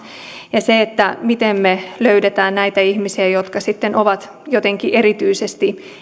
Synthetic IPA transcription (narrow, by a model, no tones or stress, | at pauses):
jɑseet̪ːæmit̪emmeløyɾet̪æːnnæit̪æihmisiæjot̪kɑsit̪ːenʔoʋɑt̪ | jot̪eŋkiʔeɾit̪yisest̪i